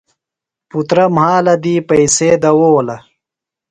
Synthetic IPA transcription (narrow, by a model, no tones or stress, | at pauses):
put̪ɾɐmhaːlɐd̪iːpɐjseːd̪ɐwoːlɐ